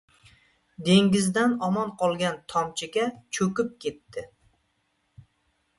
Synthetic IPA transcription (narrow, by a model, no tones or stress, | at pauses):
d̪e̞ŋɡʲɪzd̪anɒmɒnqʰɒlˠɡʲant̪ʰɒmt͡ʃʰɪɡʲat͡ʃʰɵkʲɪp̚kʲʰe̞t̪ːɪ